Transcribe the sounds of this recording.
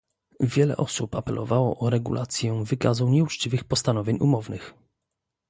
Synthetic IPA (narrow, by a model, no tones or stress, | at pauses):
vʲjɛlɛ̰ʔɔsupapɛlʔɔ̰vawɔʔɔɾɛɡṵlʔat̪sʲjɛvɘkazuɲɛut͡ʂt͡ɕivɘxpɔst̪anɔvʲjeɲumɔvnɘx